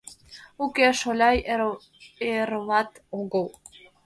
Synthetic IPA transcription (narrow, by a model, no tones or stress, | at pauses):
ukeʃolʲɑj | eɾəlɑt̪oɡəlˠ